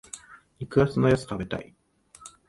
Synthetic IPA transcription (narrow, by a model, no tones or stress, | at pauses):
ɲʲikɯ̟ɡat͡sɨnojot͡sɨ̥kabet̪a̰i